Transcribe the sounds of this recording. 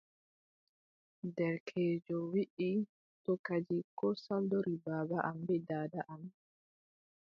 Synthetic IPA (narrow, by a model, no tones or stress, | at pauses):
dɛɾkʰɛːd͡ʒɔwiʔi | tɔkad͡ʒikɔsaldɔɾibaːbaʔambɛdaːdaʔam